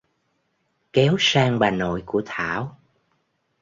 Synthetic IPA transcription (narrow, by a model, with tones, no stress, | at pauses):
kɛ˨˦wsaː˧ŋɓaː˨˩no̰˧˨jku˧˩ət̪ʰaː˧˩˨w